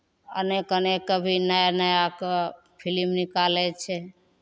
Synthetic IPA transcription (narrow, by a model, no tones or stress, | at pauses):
ə̰nekənekəbʱinajanajak | pʰilimnikalet͡ʃʰe